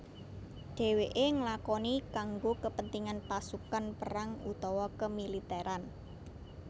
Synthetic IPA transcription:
ɖ̥ɛ̤weʔeŋəlakɔnikaŋɡokəpənt̪iŋanpasukanpəɾaŋṵt̪ɔwɔkəmilit̪ɛɾʔan

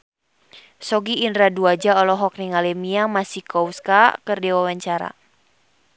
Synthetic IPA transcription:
sɔɡiːnɾaduad͡ʒaɔlɔɦɔk̚niŋalɛmiamasikɔwskakɨrdɛwawaɲt͡ʃaɾa̰

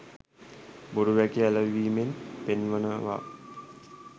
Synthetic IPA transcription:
boɾuʋækiæləʋiːmenpenʋənəʋa̰

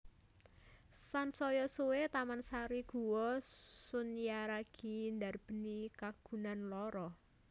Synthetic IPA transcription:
sansɔjɔsuwet̪amansaɾiɡ̥ṳwɔsʊnjaɾaɡ̥i̤nd̪arb̥ə̤nikaɡ̥ṳnanlɔɾɔ

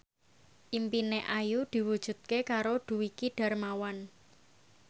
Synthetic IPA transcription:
ʔimpineʔajud̪̥i̤wud̥ʒ̥ṳt̪̚kekaɾod̪̥ṳwikiɖ̥a̤rmawan

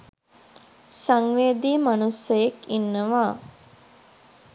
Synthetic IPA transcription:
saŋʋeːd̪iːmanusəjekinːəʋaː

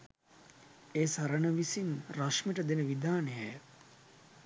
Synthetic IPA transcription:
eːsɐɾənəʋisinraʂmeʈəd̪enəʋid̪aːnejəj

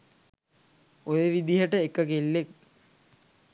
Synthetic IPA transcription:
ojeʋid̪iɦəʈəekəkelːek̚

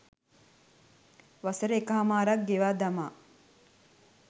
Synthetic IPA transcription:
ʋasəɾəekaɦamaːɾak̚ɡeʋaːd̪amaː

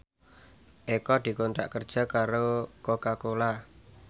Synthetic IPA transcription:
ʔekɔd̪̥i̤kɔnt̪ɾa̰ʔkərd̥ʒ̥a̤kaɾokokakola

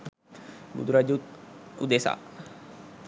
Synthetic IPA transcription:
ɡṵd̪ɾad͡ʒut̪ud̪esa̰

